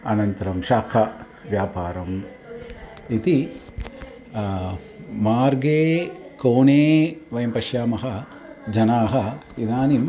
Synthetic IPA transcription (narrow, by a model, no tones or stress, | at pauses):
ɐnɐnt̪ɐɾɐmʃaːkʰɐ | ʋjaːpaːɾɐm | it̪i | maːɾɡeːkoːneːʋɐjɐmpɐʃjaːmɐɦɐ | d͡ʒɐnaːɦɐid̪aːnim